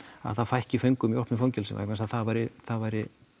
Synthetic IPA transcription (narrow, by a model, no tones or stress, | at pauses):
a̰ðθaðfajhcɪfœɥŋkʏmiɔhpnɪfowɲcɛlsɛ̰ma̰ɛknasaðθaðvajɾɪθaðvajɾɪ